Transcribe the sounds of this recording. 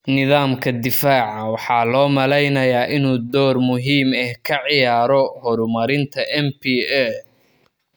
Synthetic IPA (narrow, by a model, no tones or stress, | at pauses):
nɪðaːmkʰɐd̪ɪfaːʕɑwɑħɑːlɔːmɐlɛjnɐjaːʔɪnuːd̪ɔːrmʊɦiːmɛhkʰɐʕɪjaːɾɔhɔɾʊmɐɾɪnt̪ʰɐʔɛmpiːɛ